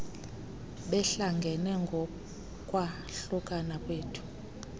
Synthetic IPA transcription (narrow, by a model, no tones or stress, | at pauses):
ɓɛɬaŋɡʱɛnɛŋɡʱɔ | kʼwa | ɬukʼanakʼweːtʰu̥